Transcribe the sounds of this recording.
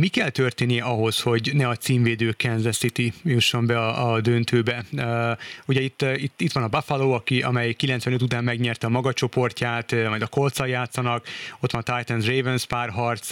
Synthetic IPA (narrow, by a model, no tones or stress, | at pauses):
mikɛlt̪ørt̪eːnːijɛʔɒɦo̞sho̞ɟnɛɒt̪siːmveːd̪øːkɛnzɛsit̪ijuʃːo̞mbɛɒɒd̪ønt̪øːbɛ | uɟɛit̪ːit̪ːit̪ʋɒnɒbafaloːɒkiʔɒ̰mɛjkilɛnt̪sʋɛnøt̪ut̪aːmːɛɡɲɛrt̪ɛɒmɒɡɒt͡ʃo̞po̞rcaːt̪mɒjd̪ɒko̞lt̪sɒjaːt̪sɒnɒko̞t̪ʋɒnt̪ajt̪ɛnzrejvɛnspaːrɦɒrt̪s